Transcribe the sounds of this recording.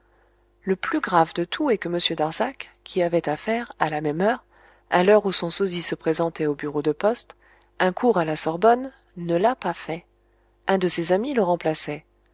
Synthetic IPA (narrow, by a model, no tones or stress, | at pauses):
ləplyɡʁavd̪ət̪ʰuɛkəməsjød̪aʁzakʲʰː | iavɛt̪afɛʁalamɛmœːʁ | alœʁusɔ̃sozisəpχezɑ̃t̪ɛobyʁod̪əpɔst̪ | ɛ̃kʰuʁalasɔʁbɔnː | əlapafɛ | ɛ̃d̪əsezamiləʁɑ̃plasɛ